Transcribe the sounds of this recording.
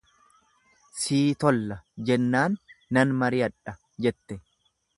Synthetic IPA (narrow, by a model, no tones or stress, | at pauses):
siːt̪ɔlːɐd͡ʒɛnːaːnːɐnmɐɾɪɐᶑɐ | d͡ʒɛt̪ːɛ